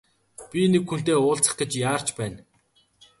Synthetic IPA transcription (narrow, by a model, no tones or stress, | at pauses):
pʲinekxun̥t̪eːʊːɬt͡sə̆χɡet͡ɕjaːr̥t͡ɕpæːn